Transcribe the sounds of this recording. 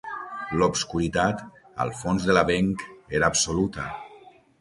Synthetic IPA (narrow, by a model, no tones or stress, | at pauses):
lobskuɾit̪at̪ | ə̰lˠfonzðelaβeŋkeɾaːpsolut̪ə